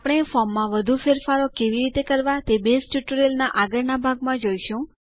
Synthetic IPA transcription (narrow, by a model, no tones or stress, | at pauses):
pɽ̃efɔmːãʋəd̪ʱufeɾfaɾokeʋiɾit̪ekəɾʋat̪ebesʈjuʈuɾelnaʔaɡəɾnabʱaɡmãd͡ʒojʃũ